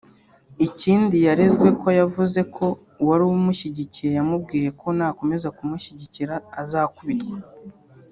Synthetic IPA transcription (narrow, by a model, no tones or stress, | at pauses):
iciːndijaɾezɡwe̞kʰo̞javuze̞kʰo̞ | waɾuwumuʃiɟiciɾejamub̚ɡiːje̞kʰo̞nako̞me̞zakumuʃiɟiciɾaːzaːkuβitkwa